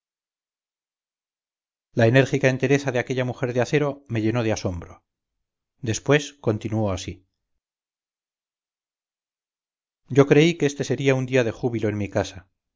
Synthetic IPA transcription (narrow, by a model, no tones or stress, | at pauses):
lae̞ne̞ɾxikae̞nt̪e̞ɾe̞θaðeake̞ʎamuxe̞ɾðeaθe̞ɾo̞me̞ʝe̞no̞ð̞easo̞mbɾo̞ | d̪e̞spwe̞sko̞nt̪inuo̞asi | ɟ͡ʝo̞kɾe̞ikeest̪e̞se̞ɾiaund̪iaðe̞xuβilo̞enmikasa